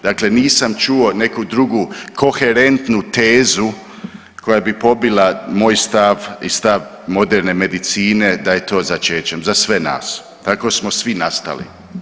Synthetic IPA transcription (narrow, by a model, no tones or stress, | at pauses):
d̪̥akle̞niːsamt͡ʃuo̞ne̞kud̪ɾuɡukʰo̞xe̞ɾe̞nt̪nut̪eːzu | ko̞jabipo̞bilamo̞ːjst̪aʋist̪aʋ | mo̞d̪eɾne̞me̞d̪it̪siːne̞d̪aje̞t̪o̞ːzat͡ʃe̞ːt͡ɕemzasʋe̞na̰ːs | t̪ako̞smosʋinast̪a̰lḭ